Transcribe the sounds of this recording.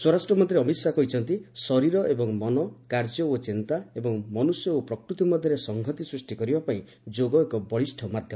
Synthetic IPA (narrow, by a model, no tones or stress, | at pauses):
swɔɾasʈɾɔmɔnt̪ʰɾeɔmisakɔɦit͡ʃʰɔnt̪isɔɾiɾɔʔebɔŋmɔnɔkaɾd͡ʒɔot͡ʃint̪aebɔŋmɔnusjɔopɾɔkɾut̪imɔd̪ʱjɔɾesɔŋɡʱɔt̪isɾisʈikɔɾibapaĩ | d͡ʒoɡɔekɔbɔɭisʈʰɔmad̪ʱjɔmɔ